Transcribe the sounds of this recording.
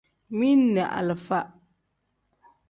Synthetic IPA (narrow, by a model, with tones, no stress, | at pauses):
mi˦nː˦ɛ˨ʔa̰˨lɨ˨fa˦ʔ